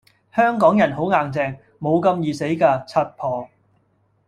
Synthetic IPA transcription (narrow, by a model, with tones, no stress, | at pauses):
hœː˥ŋkɔː˨˥ŋjɐ˨˩nɦo˨˥wŋaː˨ŋt͡sɛː˧ŋ | mo˨˧wkɐ˧mjiː˨˩se˨˥jkaː˧t͡sʰɐ˧t̚pʰɔː˨˩ŋ